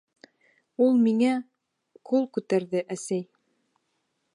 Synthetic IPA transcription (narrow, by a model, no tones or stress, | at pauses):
ulˠmiŋæ | qulˠkʉt̪æɾðɘʔæsæj